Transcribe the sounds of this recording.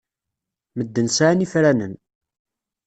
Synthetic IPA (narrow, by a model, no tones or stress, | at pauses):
məd̪ːənsaʕnifɾænən